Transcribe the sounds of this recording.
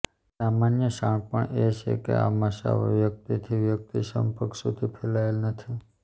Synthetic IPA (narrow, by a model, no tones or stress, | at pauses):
samanjəʃãɳpəɳet͡ʃʰḛkḛa̰məʃa̰ʋə̰ʋjək̚t̪it̪ʰiʋjək̚t̪iʃə̰mpəkʰsud̪ʱipʰelaelnət̪ʰi